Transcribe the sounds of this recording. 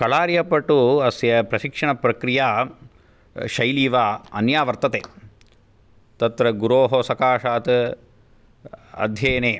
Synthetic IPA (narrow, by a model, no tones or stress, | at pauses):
kɐɭaːɾijɐpɐʈuɐsjɐpɾɐʃikʂɐɳɐpɾɐkɾijaː | ʃɐjliːʋaːɐnjaːʋɐɾt̪ɐt̪eː | t̪ɐt̪ɾɐɡuɾoːɦosɐkaːʂaːt̪ | ɐ̰d̪ʱjeːneː